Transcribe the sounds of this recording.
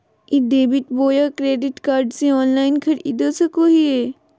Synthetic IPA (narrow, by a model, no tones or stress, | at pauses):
id̪eːbɪʈboːjakɾeːɖɪʈkaːɾɖsẽɔːnlaːɪnkʰɐɾɪ̰d̪osɐkoːɦieː